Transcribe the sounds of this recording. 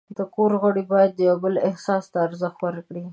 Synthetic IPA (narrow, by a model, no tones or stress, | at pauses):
d̪əkoɾɣoɽibɑjad̪̚ːəjobəlɪhsɑst̪aːɾzəxt̪wəɾkɽi